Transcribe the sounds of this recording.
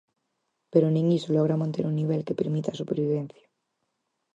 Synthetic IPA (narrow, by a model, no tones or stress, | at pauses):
peɾonĩŋisoloɣɾamãnt̪eɾunːiβ̞elkepeɾmit̪asupeɾβiβẽn̟θjḁ